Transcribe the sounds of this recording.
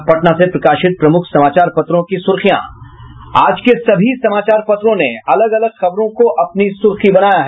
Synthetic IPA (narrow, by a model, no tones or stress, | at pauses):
pɐʈnasepɾɐkaːʃɪt̪̚pɾɐmʊkʰsɐmaːt͡ʃaːɾpɐt̪ɾõkisʊɾxijã̰ | a̰ːd͡ʒkesɐbʱisɐmaːt͡ʃaːɾpɐt̪ɾõneɐləɡɐləɡxɐbɾõkoʔɐpnisʊɾxibɐnaːjaɦ